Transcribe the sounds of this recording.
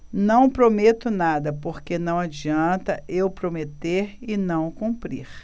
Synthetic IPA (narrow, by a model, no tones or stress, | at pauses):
nɐ̃w̃pɾomet̪ʊnad̪ɐpoɾkenɐ̃w̃ad͡ʒiɐ̃nt̪ɐʔewpɾomet̪eɾɪnɐ̃w̃kũpɾḭɾ